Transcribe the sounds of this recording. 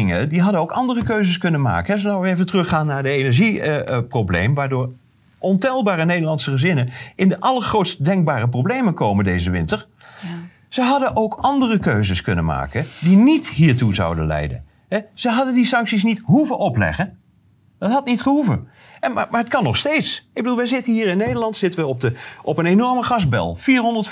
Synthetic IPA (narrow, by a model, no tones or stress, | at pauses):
ɪŋədiɦɑdənowkɑndərəkøɥzəskɵnənma̰ːkəɦɛzənawəejvəntərɵχaːnːaːɹdəenɛɹʒiprowblḛjmʋaːɹdʊːɹ | ʔɔntɛlˠbaːɾənejdəɹlɑntsəχəzɪnənɪndəʔɑlˠəɹχrowtstədɛŋk̚baːrəprowblejmənkowməndejzəʋɪntəɹ | z̥əɦɑdəʔowkɑndərəkøɥzəskɵnənma̰ːkəndinitɦiːɹtuzɑ̰wdə̰nlɛ̰jdə̰n | ɦɛz̥əɦɑdəndisɑŋksis̬nitɦuvəʔɔplɛ̰χən | ɑtɦɑtnitχəɦuvə | mamaːɹətkɑnːɔχstejtsɪɡ̚bədulˠʋəjzɪtənɦiːɹɪnːejdəɹlɑntsɪtənʋəɔp̚dəɔpənenɔɹməχɑzbɛ̰lˠfiːɹɦɔndəɹt